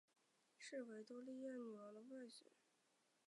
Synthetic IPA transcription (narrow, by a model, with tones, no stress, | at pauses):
ʂɻ̩˥˩we˧˥ɪt̪ɔ˥li˥˧jɛ˥˩nny˨˩ə˧˥d̪ə˧wa˥˩ɪɕɥɛ̰˧˥˦